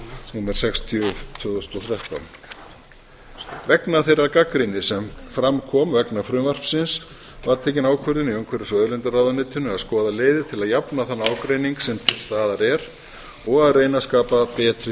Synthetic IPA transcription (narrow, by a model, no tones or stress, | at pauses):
sɛnmɛɾ̥sɛkst̪ʰjʏt̪ʰvʏːðʏst̪ɔθɾjaht̪a̰wn | vɛknaθejɾaɾkakɾɪnɪsɛmfɾamkʰɔːmvɛknafɾʏːvar̥psɪns | vaɾt̪ʰɛːcɪnaːwkʰœɾðʏniœwŋkʰvɛɾɪsœːðʏlɛnt̪aɾrawðʏnɪːt̪ʰʏnʏaðskɔːðaleːjðɪt̪ʰɪlaðjapnaθanːaːwkɾeːjniŋksɛmt̪ʰɪlst̪aːðaɾɛɾ | ɔɣaðreːjnaskaːpapɛːt̪ɾɪ